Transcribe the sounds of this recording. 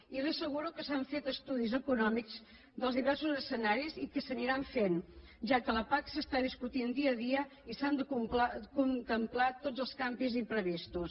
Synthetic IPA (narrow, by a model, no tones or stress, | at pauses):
irisəɣuɾukəsaɱfet̪əst̪uðizəkunɔmikz̥ | d̪əlzðiβɛɾsuzəsənaɾizikəsəniɾaɱfen | ʒakələpaksəst̪aðiskut̪ind̪iəðiəisand̪əukunt̪əmplat̪od͡zəlˠskambizimpɾəβist̪us